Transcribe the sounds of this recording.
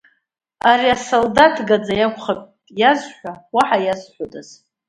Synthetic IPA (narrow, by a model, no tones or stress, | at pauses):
aɾiasoldatʰɡad͡zajakʷʰʼχapʼjazħʷawaħajazħʷodʼaz̥